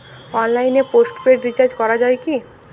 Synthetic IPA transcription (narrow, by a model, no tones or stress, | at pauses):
ɔnlaineposʈpeɖɾit͡ɕaɾd͡ʑkɔɾad͡ʑaeki